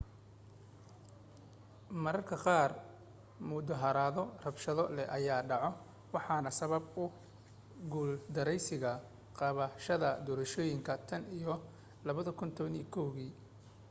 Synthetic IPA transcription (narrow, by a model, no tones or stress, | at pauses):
mɐɾɐrkʰɐqɑːr | mʊd̪ɐɦɐɾaːðɔrɐbʃɐðɔlɛʔɐjaːɖɑʕɔ | wɑħɑːnɐsɐβɐbʊ | ɡuːld̪ɐɾɛjsɪɣɐ | qɑβɐʃɐðɐd̪ɔːɾɐʃɔːjɪŋkʰɐt̪ʰɐnijɔ | lɐβɐðɐkʰʊnt̪ʰɔβɐniːkʰɔwɣiː